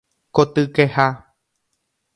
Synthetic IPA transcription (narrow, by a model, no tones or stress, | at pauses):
kot̪ɨkeha